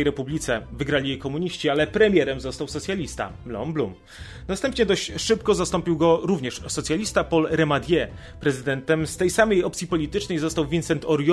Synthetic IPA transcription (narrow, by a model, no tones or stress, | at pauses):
jɾɛpublʲit̪sɛvɘɡɾalʲijɛkɔmuɲiɕt͡ɕialɛpɾɛmʲjɛɾɛmzɔst̪awsɔt̪sʲjalʲist̪a̰lɔ̰mblum | nast̪ɛmpɲɛd̪ɔɕt͡ɕʂɘpkɔzast̪ɔmpʲiwɡɔɾuvɲɛʂsɔt̪sʲjalʲist̪apɔlɾɛmad̪ʲjɛ | pɾɛzɘd̪ɛnt̪ɛmst̪ɛjsamɛjɔpt̪sʲjipɔlʲit̪ɘt͡ʂnɛjzɔst̪awvʲinsɛnt̪ʰɔɾj